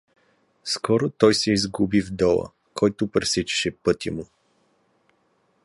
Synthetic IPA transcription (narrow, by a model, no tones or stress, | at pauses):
skɔɾot̪ɔjsɛizɡubivd̪ɔlˠə̰ | kʰɔjt̪ʊpɾɛsɛt͡ʃɛ̥ʃɛpɤt̪ʲimʊ